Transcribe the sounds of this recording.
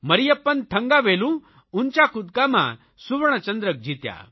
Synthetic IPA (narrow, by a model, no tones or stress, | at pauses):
məɾijəpənt̪ʰə̃ŋɡaʋelũ | unt͡ɕjakud̪kama̰ | suʋɳ̃ət͡ɕənd̪ɾək̚d͡ʑʱit̪ja̰